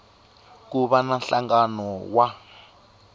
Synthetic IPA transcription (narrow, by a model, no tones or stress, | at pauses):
kuβananɬaŋɡanɔwa